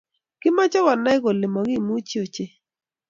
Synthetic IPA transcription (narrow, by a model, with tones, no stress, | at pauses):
kɪ˦ma˦t͡ʃɔ˦wɔ˨na˦ɪ˦ɡo˨lɪ˨mɔ˨ɡi˦˨mu˦t͡ʃi˦o˨t͡ʃe˦